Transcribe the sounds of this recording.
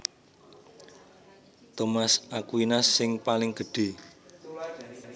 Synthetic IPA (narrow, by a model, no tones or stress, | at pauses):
t̪omasakwinasɪŋpalɪŋɡ̥ə̤ɖ̥e̤